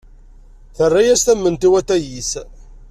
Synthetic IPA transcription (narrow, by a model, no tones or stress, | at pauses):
θərˤːajæst̪æmːənt̪iwæt̪ːæjis